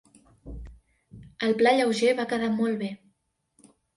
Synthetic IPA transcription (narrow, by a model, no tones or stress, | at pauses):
əlˠplaʎəwʒeβakəðamɔlˠβe